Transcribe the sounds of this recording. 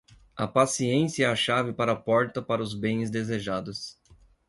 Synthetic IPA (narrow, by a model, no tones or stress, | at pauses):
ɐpasiẽsiɐɛɐʃavɪpaɾɐːpɔɾt̪ɐpaɾɐʊzbẽj̃zd̪ezeʒad̪ʊs